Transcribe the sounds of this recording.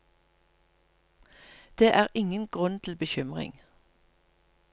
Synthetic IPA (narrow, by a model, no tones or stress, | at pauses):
d̪̥eːʔæːʁɪŋənɡ̥ʁʉnt̪ʰl̩bəçʏmʁɪ̰ŋ